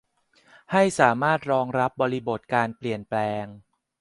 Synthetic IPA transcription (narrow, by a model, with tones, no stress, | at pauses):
ha˥˩jsaː˩˦maː˥˩t̪̚ɾɔː˧ŋɾa˦˥p̚bɔː˧ɾi˦˥bo˨˩t̪̚kaː˧npli˨˩ənplɛː˧ŋ